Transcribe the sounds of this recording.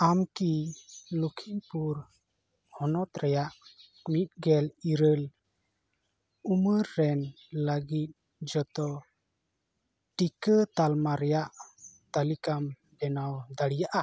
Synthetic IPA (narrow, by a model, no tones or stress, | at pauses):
amkilukʰinpuɾ | hɔnɔt̪ɾɛjaʔ | mit̪̚ˀɡɛliɾəl | uməɾːɛn | ləɡit̪̚ | d͡ʒɔt̪ɔ | ʈikət̪almaɾɛjaʔt̪alikam | ɖɛnawd̪aɽijaʔa